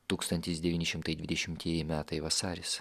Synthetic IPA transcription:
t̪uːkst̪ɐnʲt̪ʲɪsd̪ʲɛʋʲiːnʲɪʃʲɪmt̪ɐɪd̪ʲʋʲɪd̪ʲɛʃʲɪmʲt̪ʲiɛjɪmʲæːt̪ɐɪʋɐsɑːɾʲɪs

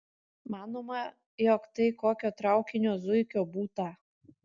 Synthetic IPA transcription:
mɑːnoːmɐ | jokt̪ɐɪkoːkʲoːt̪ɾɑˑʊkʲɪnʲoːzʊɪkʲoːbuːt̪ɐ

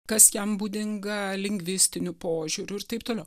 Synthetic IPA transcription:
kɐsjɛmbuːd̪ʲɪŋɡɐlʲɪŋʲɡʲʋʲɪsʲt̪ʲɪnʲʊpoːʒʲuɾʲʊɪɾt̪ɐɪp̚t̪oːlʲɛʊ

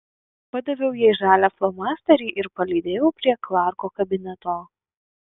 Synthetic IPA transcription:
pɐd̪ɐʋʲɛʊjɛːʒæːlʲæflˠɔmɑːsʲt̪ʲɐɾʲiːʔɪɾpɐlʲiːd̪ʲeːjɛʊpʲɾʲiɛklˠɑˑɾkoːkɐbʲɪnʲɛt̪oː

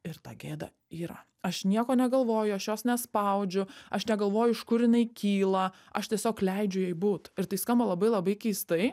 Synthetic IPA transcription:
ɪɾt̪ɑ̰ːɡʲeːd̪ɐ̰ | iːɾɐ̰ | ɐʃnʲiɛkoːnʲɛɡɐlˠʋoːjʊɐʃjoːsnʲɛspɐʊd͡ʒʲʊɐʃnʲɛɡɐlˠʋoːjʊɪʃkʊɾjɪnɐɪkʲiːlˠɐ | ʔɐʃt̪ʲiɛsʲoːklʲɛɪd͡ʒʲʊjɛɪbuːt̪ɪɾt̪ɐɪskɐmbɐlˠɐbɐɪlˠɐbɐɪkʲɛɪst̪ɐɪ

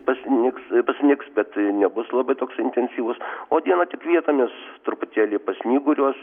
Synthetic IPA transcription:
pɐsʲɪnʲɪkspɐsʲɪnʲɪksbʲɛt̪nʲɛbʊslˠɐbɐɪt̪oːksɪnʲt̪ʲɛnʲsʲiːʋʊsoːd̪ʲiɛnɐt̪ʲɪkʋʲiɛt̪omʲɪst̪ʊɾʊpʊt̪ʲæːlʲiːpɐsʲnʲiːɡʊɾʲuɔs

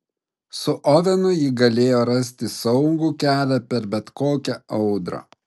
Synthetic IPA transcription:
sʊʔɔʋʲɛnʊjɪɡɐlʲeːjoːɾɐsʲt̪ʲɪsɐʊŋɡuːkʲæːlʲæpʲɛɾbʲɛt̪koːkʲɛɒʊd̪ɾɐ̰

